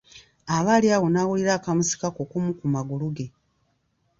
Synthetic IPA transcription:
aβaːliaɣonaːwuliɾaːkamusi̥kakokumukumaɡuluɡe̞

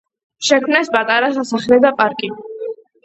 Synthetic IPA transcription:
ʃɛkʰmnɛspʼat̪ʼaɾasasaχlɛd̪apʼaɾkʼi

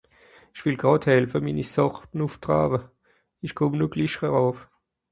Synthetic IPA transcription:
iʃv̥ɪlɡ̥ʁɑːthɛlfəminisɔʁtn̩uftʁa̰ːbə | iʃkʰʊmnuɡliʃʁəʁaːf

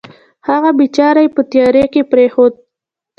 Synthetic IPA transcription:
haɣabit͡ʃɑɾajpət̪jɑɾekepɾexod̪̚

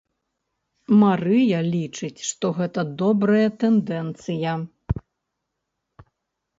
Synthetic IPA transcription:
maɾɨjɐlʲit͡ʂɨt͡sʲʂt̪ɔɣɛt̪ɐd̪ɔbɾɐjɐt̪ɛnd̪ɛnt̪sɨjɐ

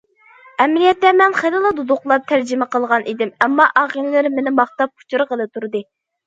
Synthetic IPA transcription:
ɛmlijɛt̪ːɛmɛnχelˠɨlˠɨd̪ud̪ʊqlˠɑp̚t̪ʰæɾd͡ʒɪmɛqəlˠʁɑnʔid̪ɪmɛmːɑʔɑʁilɪlɪɾmenɪmɑχt̪ɑp̚kʰu̥t͡ʃuɾɨqəlˠɨt̪ʰuɾɨd̪ɨ

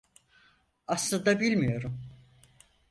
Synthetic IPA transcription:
aslˠad̪abilʲmijo̞ɾum

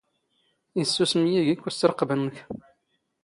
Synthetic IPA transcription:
isːusəmjiʝikːut͡sːəɾəqːbənːəç

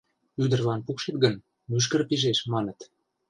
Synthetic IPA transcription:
yd̪ə̆rlɑnpukʃet̪ɡən | myʃ̬kə̆rpiʒeʃmɑnə̆t̪

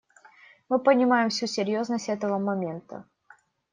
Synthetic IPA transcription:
mɨpənʲɪmajɪmfsʲusʲɪɾʲjo̞znəsʲtʲɛt̪əvəmɐmʲe̞nt̪ə̰

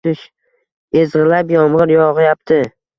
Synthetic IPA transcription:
ɪʃ | ezʁɨlapjɒmʁɨɾjɒʁɪjap̚t̪ʰɪ

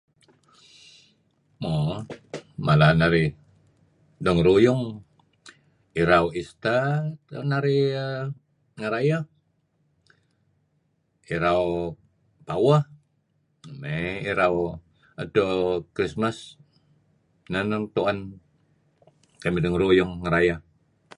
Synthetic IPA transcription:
mo | malanaɾi | dɔŋɾujʊŋ | iɾawist̪atnaɾi | ŋaɾaja | iɾaw | pawah | meiɾaw | adokɾismas | nanəŋt̪uan | kamidɔŋɾujʊŋːəɾajah

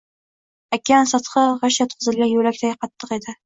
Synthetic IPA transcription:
akʲːansɑt̪qɑʁɑʃat̪qʰʊzɪlːʲajɵlak̚ʲt̪ʰaɡʲɪqʰɑt̪ːɤqe̞d̪ɪ

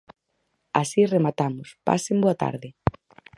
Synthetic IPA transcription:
asiremat̪amʊspa̰semboat̪a̰ɾðɪ

